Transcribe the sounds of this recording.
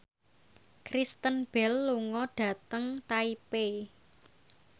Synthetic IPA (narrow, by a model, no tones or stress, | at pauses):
kɾist̪ənb̥ɛlːuŋɔɖ̥ä̤t̪əŋt̪aipe